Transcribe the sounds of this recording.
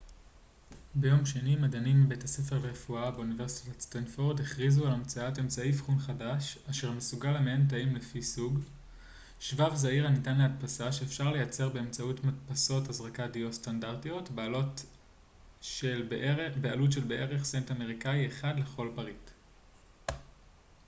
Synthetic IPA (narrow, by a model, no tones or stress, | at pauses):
bejo̞mʃe̞nimadanimːibejtase̞fe̞ʁleʁefuabeunive̞ʁsi̥tatstanfoʁdeχʁizualamt͡saate̞mt͡saejfχunχadaʃaʃe̞ʁmesuɡalameentaimlefisuɡ | ʃvavzaiʁanitanleat̚pasaʃe̞ːfʃaʁle̞jat͡se̞ʁbe̞ːmt͡sautmatpaso̞thazʁakadio̞standaʁtijo̞tbealot | ʃelbealutʃe̞lbeʔeʁeχsentame̞ʁ̞ikaieχadle̞χo̞lpaʁit